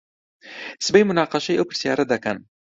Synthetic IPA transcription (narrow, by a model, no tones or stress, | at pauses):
sɨbejmʊnaːqɑʃɐjʔɐwpʰɨɾsija̰ːɾɐd̪ɐkɐn